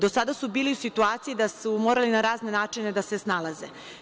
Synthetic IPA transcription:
d̪o̞sad̪asubiːliusit̪uaːt̪sijid̪asumo̞ːɾalinaɾaːzne̞naːt͡ʂine̞d̪ase̞snalaze

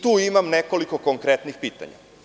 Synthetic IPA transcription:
t̪uːimamneko̞liko̞koŋkɾet̪nixpiːt̪a̰ɲa̰

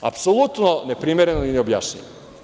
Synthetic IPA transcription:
a̰psolˠut̪none̞pɾiːmeɾe̞noineobja̰ːʃɲḭʋo

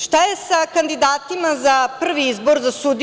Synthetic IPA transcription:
ʃt̪ajesakand̪id̪aːt̪imazapr̩ʋiizbo̞ɾzasud̪

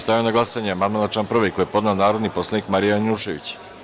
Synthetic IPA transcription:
st̪ajaonaɡlˠasaɲeamad̪malˠat͡ʃamproʋejkojepo̞d̪naonaːɾo̞d̪nipo̞slˠanikmaɾijaanʲuʃeʋḭt͡ɕ

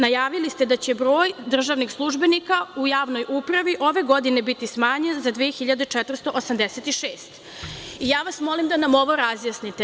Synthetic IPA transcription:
najaːʋilist̪e̞d̪at͡ɕebɾo̞ːjd̪r̩ʒaʋnixslˠuʒbenikaujaːʋno̞jupɾaʋiʔo̞ʋe̞ɡo̞d̪ine̞bit̪ismaːɲenzad̪ʋiexiʎad̪et͡ʃɛt̪vr̩st̪o̞ʔosamd̪eset̪iʃeːst̪ | ijaːʋasmo̞limd̪anamo̞ʋo̞ɾazjasnit̪e

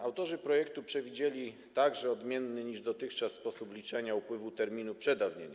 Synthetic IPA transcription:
awt̪ɔʐɘpɾɔjɛk̚t̪upʂɛvʲid͡ʑelʲi | t̪aɡʐɛɔd̪mʲjɛnːɘɲiʐd̪ɔt̪ɘxt͡ʂasːpɔsuplʲit͡ʂɛɲaupwɘvut̪ɛɾmʲinupʂɛd̪avɲeɲ

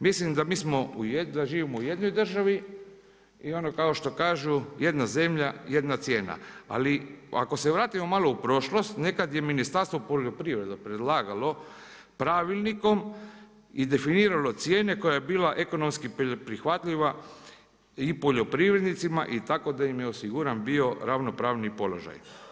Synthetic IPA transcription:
mislimd̪amiːsmo̞ujed̪aʒiːʋimouje̞d̪no̞jd̪r̩ʒaʋi | io̞no̞kao̞ʃt̪o̞kaːʒuje̞d̪naze̞mʎaje̞d̪nat̪sʲje̞ːna̰a̰lia̰ko̞se̞ʋɾaːt̪imo̞malˠoupɾo̞ʃlo̞st̪ne̞kad̪je̞minist̪aɾst̪ʋopo̞ʎo̞pɾiʋɾe̞d̪opɾe̞d̪lˠaːɡalo̞ | pɾaːʋilˠniko̞m | id̪e̞finiːɾalo̞t̪sje̞ːne̞ko̞jajebiːlaʔe̞ko̞nomskippɾixʋat̪ʎiʋa | ipo̞ʎo̞pɾiʋɾe̞d̪nit̪sima̰ʔit̪ako̞d̪aimjeosiɡuːɾanbio̞ɾaʋno̞pɾaːʋnipo̞lo̞̰ʒa̰j

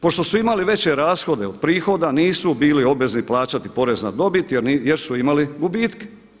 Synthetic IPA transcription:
po̞ʃt̪o̞suimaliʋe̞t͡ɕe̞ɾaːsxo̞d̪eod̪̚pɾiːxo̞d̪aniːsubiːlio̞bʋe̞zniplaːt͡ɕat̪ipo̞ɾe̞znad̪o̞bit̪eɾjeɾsuimaliɡubiːt̪ke̥

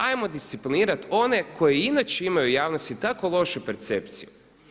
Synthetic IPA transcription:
ajmod̪ist̪sipliniːɾat̪o̞ne̞kʰo̞jeinat͡ʃeimajujaːʋnost̪it̪akolˠo̞ʃupeɾt̪se̞pt̪siju

